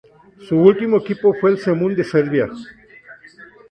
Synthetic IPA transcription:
suult̪imoekipofweːlsemũnd̪eseɾβja

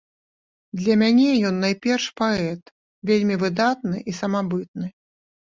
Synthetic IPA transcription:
d̪lʲɐmʲanʲɛjɔnːajpʲɛrʂpaɛt̪ | vʲelʲmʲivɨd̪at̪nɨʔisɐmabɨt̪̚nɨ

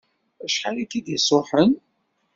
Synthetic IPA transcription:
æʃħalikːid̪jəsˤʊħən

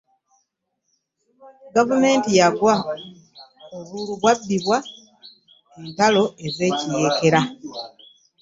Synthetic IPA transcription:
ɡavume̞ːntijaɡwa | oβuluβwabːiβwa | entalo̞e̞ze̞ːcije̞ːke̞ɾa

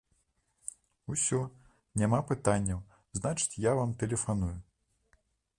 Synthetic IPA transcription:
usʲɔ | nʲamapɨt̪anʲːɐw | znat͡ʂɨ̥t͡sʲjavamt̪ɛlʲɛfanuju

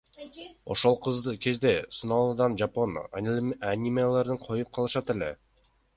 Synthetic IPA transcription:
o̞̰ʃo̞lˠqʰɯzd̪kʲʰe̞zd̪e̞sunɑlˠɯd̪ɑnd͡ʒapo̞n | anʲimajalˠɑɾd̪ɯɴqʰo̞jup̚qʰɑlˠɯʃɑt̪ele̞̰

